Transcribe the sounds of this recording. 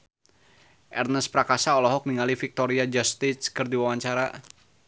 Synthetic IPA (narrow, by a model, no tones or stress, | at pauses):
ʔɛrnəspɾakasaɔlɔɦɔk̚niŋalifik̚t̪ɔɾiad͡ʒɔst̪iskərdiwawaɲt͡ʃaɾa